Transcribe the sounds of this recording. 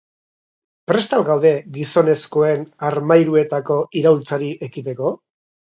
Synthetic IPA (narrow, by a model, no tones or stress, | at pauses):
pɾe̞st̪alɡawðe̞ɡiso̞ne̞sko̞e̞naɾmajɾue̞t̪ako̞iɾawlt͡saɾiʔekit̪e̞ko̞